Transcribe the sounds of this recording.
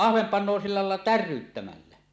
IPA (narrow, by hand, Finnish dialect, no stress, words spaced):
ɑhʋem pɑnˑo silːɑ lɑˑelːɑ tærˑyːtːæmælːæ